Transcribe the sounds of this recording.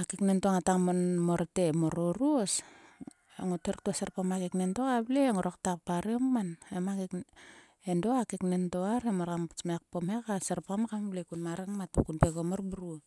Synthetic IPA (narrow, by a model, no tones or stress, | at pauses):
akiknentoŋataŋmomoɾtemoɾoɾuos | eŋoteɾtuaseɾpamakeknentokableŋoɾaktak̚paɾeommanemakik | endoakiknentoaɾemoɾammek̚pomhekaseɾpamakamablekunmaɾeŋmatokunpeɡomorbuɾu